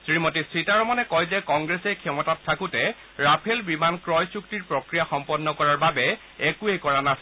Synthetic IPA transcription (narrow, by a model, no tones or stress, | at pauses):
sɹimɔtisɹitaɹɔmanɛkɔjzɛkɔŋɡɹesɛjkʰɛmɔtatʰːakʊtɛ | ɹapʰelbimankɹɔjsuk̚tiɹpɹɔkɹijaxɔmpɔnːɔkɔɹaɹbabɛ | ɛkuekɔɹanas